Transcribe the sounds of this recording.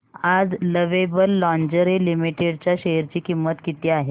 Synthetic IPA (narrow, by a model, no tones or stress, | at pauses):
ad͡zləʋebəlːɔ̃ɲd͡ʑəɾilimiʈeɖt͡ɕjaɕeɦəɾt͡ɕiːkimːət̪kit̪iːaɦe